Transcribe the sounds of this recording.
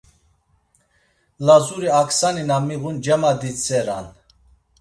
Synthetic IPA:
lazuɾiaksaninamiɣund͡ʒɛmad̪it͡sʰʼɛɾan

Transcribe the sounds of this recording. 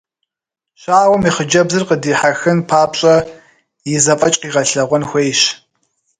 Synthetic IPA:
ɕaːwɐmiːχəd͡ʒɐbzɨrqədiːħaxɨnpʰaːpɕʼɐ | jɪzɐpʼɐt͡ʃʼqiːʁɐɬɐʁʷɔnxʷejɕ

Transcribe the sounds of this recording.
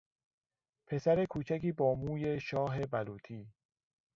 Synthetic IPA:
pʰe̞sæɾe̞kʰuːt͡ʃʰækiːbɒːmuːje̞ʃɒːɦe̞bæluːt̪ʰiː

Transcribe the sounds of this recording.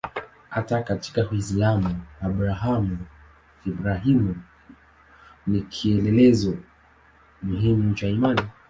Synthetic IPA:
hatakati̥kakwisilamuabɾaɦamu | ibɾaɦimu | nikʰiɛlɛlɛzɔ | muɦimut͡ʃaimani

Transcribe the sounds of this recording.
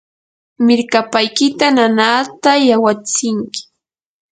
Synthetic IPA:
mɪɾkapajkɪt̪ananaːt̪ajawat͡sɪŋkɪ̥

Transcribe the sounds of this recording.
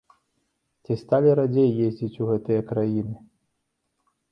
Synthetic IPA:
t͡sʲist̪alʲiɾad͡zʲejːezʲd͡zʲit͡sʲuɣɛt̪ɨjɐkɾajinɨ

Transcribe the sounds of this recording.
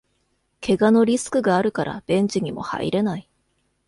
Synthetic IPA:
kʰe̞ɡano̞ɾʲisɨ̥kɯ̟ɡaːɾɯ̟kaɾʔa̰b̥ẽ̞ɲ̟d͡ʑiɲ̟imo̞̰ha̰ḭɾe̞nai

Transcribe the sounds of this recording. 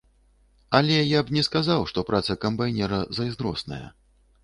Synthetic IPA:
alʲɛjabnʲɛskazawʂt̪ɔpɾʔat̪sɐkɐmbajnʲɛɾɐzɐjznɾɔ̰snɐ̰jɐ̰

